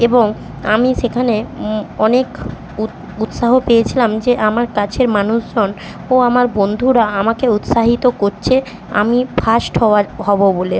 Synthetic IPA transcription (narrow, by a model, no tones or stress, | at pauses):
eboŋ | amiʃekʰaneɔnek | u | ut̪ʃaɦopejet͡ɕʰilamd͡ʑeʔamaɾkat͡ɕʰeɾmanuʃd͡ʑon | oamaɾbond̪ʱuɾaamakeut̪ʃaɦit̪okoɾt͡ɕʰe | a̰mifʰasʈɦɔaɦɔbobole